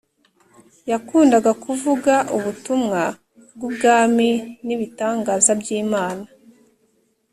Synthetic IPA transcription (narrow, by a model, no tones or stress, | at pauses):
jakuːndaɡakuvuɡaʔuβutumŋa | b̚ɡubɡaːminiβitaːŋɡaːzabjiːmaːna